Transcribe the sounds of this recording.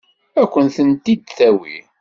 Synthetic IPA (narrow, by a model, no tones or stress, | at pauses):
ækʷːənθənt̪id̪̚θæwḭ